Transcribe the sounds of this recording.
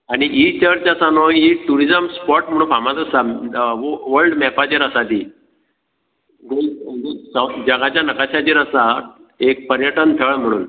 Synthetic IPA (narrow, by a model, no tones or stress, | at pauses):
aɽ̃iʔit͡ɕəɾt͡ɕəsanoiʈuɾid͡zəmspɔʈm̤əɽ̃ũːnfamãt̪əsa | ʋəɾɖmɛpat͡ɕeɾəsad̪iː | ɡoɡsəd͡ʑəɡat͡ɕjanəkaɕat͡ɕiɾəsaek̚pəɾjəʈənt̪ʰəɭm̤əɽ̃ṵːn